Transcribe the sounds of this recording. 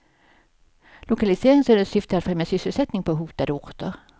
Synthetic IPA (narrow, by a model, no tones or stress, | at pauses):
lʊkalɪseːɾɪŋsɵnd̪əsʏft̪əat̪fɾɛmjasʏsːəlsɛt̪nɪŋpʰɔɦuːt̪ad̪əʊɾt̪əɾ